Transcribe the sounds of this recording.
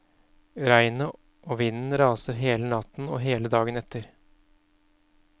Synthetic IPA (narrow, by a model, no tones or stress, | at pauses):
ɾæɪnə | ʔoːʋɪnn̩ɾɑːsəɾɦeːlənɑt̪n̩ɔːɦeːləd̪ɑːɡənɛt̪ʰːəɾ